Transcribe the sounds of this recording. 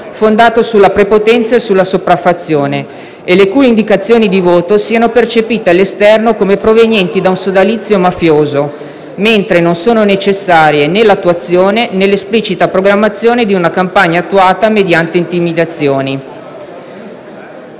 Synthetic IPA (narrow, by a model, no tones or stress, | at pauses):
fond̪aːt̪osulːapɾepot̪ɛnt̪saesulːasopɾafːat̪sːjoːne | elekuːleind̪ikat̪sːjoːnid̪ivoːt̪osiːanopert͡ʃepiːt̪ealːest̪ɛrnokomepɾovenjɛnt̪id̪aunsod̪alit̪sːjomafjoːzo | ment̪ɾenonsoːnonet͡ʃesːaːɾjenelːat̪ːuat̪sːjoːnenelːesplit͡ʃit̪apɾoɡɾamːat̪sːjoːned̪iunakampaɲːaːt̪ːuaːt̪amed̪jant̪eint̪imid̪at̪sːjoːni